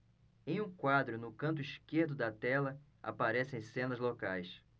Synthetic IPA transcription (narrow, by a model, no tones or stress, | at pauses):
ẽj̃ũkwad̪ɾʊnʊkɐ̃nt̪̬ʊiʃkeɾd̪ʊd̪ɐt̪ɛlɐ | a̰paɾɛsẽj̃sẽnɐzlokajs